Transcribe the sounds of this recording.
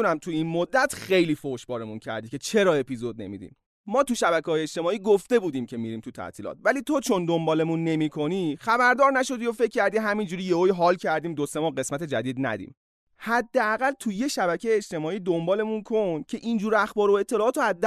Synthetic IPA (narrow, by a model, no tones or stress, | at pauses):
næmt̪ʰuinmod̪ːæt̪xe̞jliːfoʃbɒːɾe̞muncʰæ̰ɾd̪iːcʰe̞t͡ʃʰe̞ɾɒːe̞pizo̞d̪̚nḛmḭd̪ḭːmː | ɒːt̪uʃæβækeɦːjeːt͡ʃt̪e̞mɒːiːɡoft̪e̞buːd̪iːmcʰe̞miɾiːmt̪ʰut̪ʰæ̰t̪ʰiːlɒ̰ːt̪̚væliːt̪ʰo̞t͡ʃʰo̞nd̪ombɒːle̞munːe̞miːkʰo̞nixæbæɾd̪ɒːɾnæʃo̞d̪iːofe̞cʰʲːcːæɾd̪iɦæmind͡ʒuɾiːjeojɦɒːlcʰæɾd̪iːmd̪ose̞mɒːɢe̞smæt̪e̞d͡ʒæd̪iːd̪næ̰d̪ḭːm | hæd̪ːeæɣælt̪ʰujeʃæbækʰejeːt͡ʃt̪e̞mɒːiːd̪ombɒːle̞munkʰo̞ncʰe̞ʔind͡ʒuːɾæxbɒːɾoe̞t̪ʰːe̞lɒːt̪oæd̪ː